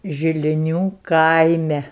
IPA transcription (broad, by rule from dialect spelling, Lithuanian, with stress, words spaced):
ʒʲɪlʲɪˈnʲuː ˈkɐɪmʲɛ